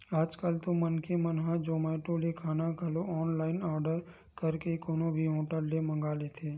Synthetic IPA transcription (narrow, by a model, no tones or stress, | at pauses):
aːd͡ʒkalt̪omənkemənɦãd͡ʒoːmaːʈoːlekʰaːnakɐloɔːnlaːɪnɔːɾɖəɾ | kəɾkekoːnõbʱiɦõːʈəɾlemə̃ŋɡaːlet̪ʰeː